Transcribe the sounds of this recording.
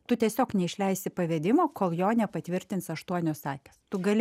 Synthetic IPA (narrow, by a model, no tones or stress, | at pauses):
t̪ʊt̪ʲiɛsʲoːknʲɛɪʃʲlʲɛɪsʲɪpɐʋʲɛːd̪ʲɪmoːkoːlˠjoːnʲɛpɐt̪ʲʋʲɪɾʲt̪ʲɪntsɐʃt̪uɔnʲoːsɑːkʲɛst̪ʊɡɐlʲ